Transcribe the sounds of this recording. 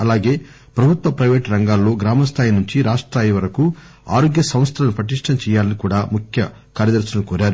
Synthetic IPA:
ɐlaːɡe̞ː | pɾɐbʱut̪ʋɐpɾɐjʋeːʈɾɐŋɡaːlːo̞ːɡɾaːmɐst̪ʰaːjinuɲt͡ʃiɾaːʂʈɾaːjiʋɐɾɐku | aːɾo̞ːɡjɐsɐ̃mst̪ʰɐlɐnupɾɐʈ̪̬iʂʈʰɐmt͡ʃɛːjaːlɐnikuːɽaːmukʰjɐ | kaːɾjɐd̪ɐɾsɐnukoːɾaːɾu

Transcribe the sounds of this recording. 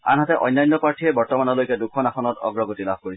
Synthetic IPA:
a̰nɦatɛʔɔ̰jnːajnːɔpaɹtʰiɛbɔɹtɔmanɔlojkɛdukʰːɔnaxɔnɔtɔ̰ɡɹɔɡotilab̚ʱkoɹis

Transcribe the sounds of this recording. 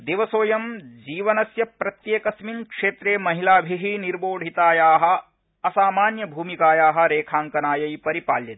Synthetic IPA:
d̪eʋɐsoːjɐmd͡ʒiːʋɐnɐsjɐpɾɐt̪jeːkɐsminkʂeːt̪ɾeːmɐɦilaːbʱiɦiniɾboːɖʱit̪aːjaːɦɐ̆ | ɐsaːmaːnjɐbʱuːmikaːjaːɦɐ̆ɾeːkʰaːŋkɐnaːjɐjpɐɾipaːljɐt̪

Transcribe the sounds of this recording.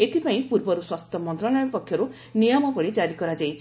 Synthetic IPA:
et̪ipaĩpuɾbɔɾuswast̪ɔmɔnt̪ɾɔnajɔpɔkʰːjɔɾu | nijɔmɔbɔɭed͡ʒaɾikɔɾad͡ʒajt͡ʃʰi

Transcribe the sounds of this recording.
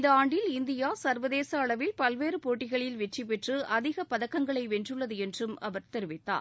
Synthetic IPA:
ɪnd̪ɐaːɳɖɪlɪnd̪ɪjaːsɐɾʋɐðeːsɐːɭɐʋɪlpɐlʋeːɾɯpoːʈːɪɣɐɭɪlʋɛt͡ʃːipːɛʈrɯʔɐðɪɣɐpɐðɐkːɐŋɡɐɭɐɪʋɛndrɯɭːɐðɯɛndrɯmɐʋɐɾt̪ɛɾɯʋɪt̪ːa̰ːɾ

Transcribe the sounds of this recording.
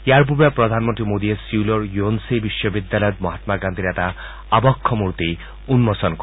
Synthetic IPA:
jaɾp̬ubapɾɔd̪ʱanmɔnt̪ɾimod̪iesiulɔɾjuonsebiʃjɔbid̪jalɔjɔt̪̚mɔɦat̪maɡand̪ʱiɾat̪a | abɔkʰːɔmuɾt̪i | unmɔsɔnk

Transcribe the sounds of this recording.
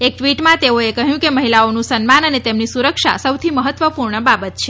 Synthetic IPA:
ek̚ʈʋiʈmãt̪eoekəɦjũkeməɦilaonũsənmanənet̪emnisuɾəkʃa̰səwt̪ʰiməɦət̪ʋəpuɾɳəbabət̪t͡ʃʰe

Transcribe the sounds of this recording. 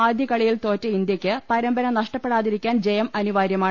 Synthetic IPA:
aːd̪ʱjɐkɐɭijilt̪o̞ːtːɨind̪jɐkʲːɨpɐɾɐmbɐɾɐnɐʂʈɐpːeɽaːðiɾikʲːaːnd͡ʑejɐmɐnuʋaːɾjɐmaːɳ

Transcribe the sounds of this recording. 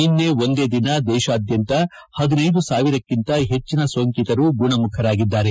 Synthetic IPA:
inːe̞ːo̞nd̪e̞ːd̪inɐd̪ɛːʃaːd̪jɐnt̪ɐ | hɐd̪inɐjd̪usaːʋiɾɐkːint̪ɐɦet͡ʃːinɐsʋɐŋkit̪ɐɾuɡuɳɐmukʰɐɾaːɡid̪ːaːɾe̞

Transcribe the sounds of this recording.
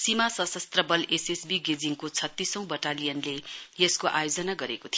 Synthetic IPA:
simasʌsʌst̪rʌbʌlesesbiɡed͡ziŋkot͡sʰʌt̪ːisʌ̃w̃bʌʈalijʌnlejeskoʔa̰jod͡zʌnaɡʌɾekot̪ʰij

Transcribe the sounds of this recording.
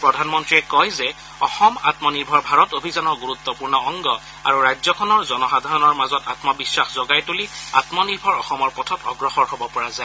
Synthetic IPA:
pɹɔdʱanmɔntɹiɛkɔjzɛ | ɔxɔma̰tmɔniɹbʱɔɹbʱaɹɔtobʱizanɔɹɡuɹut̪ːɔpuɹnɔɔŋɡɔ | a̰ɹuɹajzɔkʰɔnɔɹzɔnɔxadʱaɹɔnɔɹmazɔtatmɔbisːaxzɔɡajtulia̰tmɔniɹbʱɔɹɔxɔmɔɹpɔtʰɔtɔ̰ɡɹɔxɔɹhobɔpɔɹaza

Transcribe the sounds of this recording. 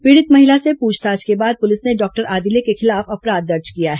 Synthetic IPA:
piːɽɪt̪mɐɦɪlasepuːd͡ʒt̪aːd͡ʒkebaːd̪̚pʊlɪsneɖɔːk̚ʈəɾʔaːd̪ɪlekexɪlaːfɐpɾaːd̪̚ːɐɾd͡ʒkijaɦɛː

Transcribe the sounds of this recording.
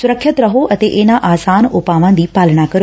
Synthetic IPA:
sʊɾəkʰːət̪ɾɐɦoɐt̪eʔeːnãʔaːsaːnʊpaːʋãːn̆d̪iːpaːləɽ̃akɐɾjo

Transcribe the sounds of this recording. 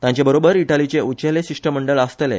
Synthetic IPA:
t̪jãɲt͡ɕebəɾobəɾiʈalit͡seut͡ɕeleɕiʂʈəməɳɖəɭəst̪elḛ

